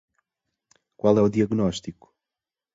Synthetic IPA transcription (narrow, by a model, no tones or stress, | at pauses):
kwalˠɛuðiɐɣnɔʃt̪iku̥